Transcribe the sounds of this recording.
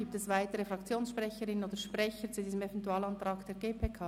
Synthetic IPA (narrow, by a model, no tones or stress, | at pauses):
iːp̚tɛsvaɪtəɾəfɾɑkt͡sjoːnsʃpʁɛçəɾɪnənoːdəʃprɛçət͡sudiːzəmɛvɛntuaːlɑnt̪ʁaːkd̥eːɐɡeːpʰeːkʰaː